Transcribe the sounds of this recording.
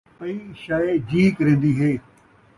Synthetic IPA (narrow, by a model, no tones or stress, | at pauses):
ɐ̃ĩʃaːed͡ʑiːkɾẽːn̆d̪iɦeː